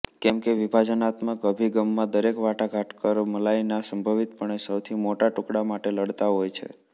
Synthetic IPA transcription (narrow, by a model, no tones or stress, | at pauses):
kɛ̃mkeʋibʱad͡ʒənat̪məkəbʱiɡəmːãd̪əɾekʋaʈaɡʱaʈkəɾməlajnasəmbʱəʋit̪pəɳ̃esəwt̪ʰimoʈaʈukɽamaʈeləɽt̪aɦojt͡ʃʰḛ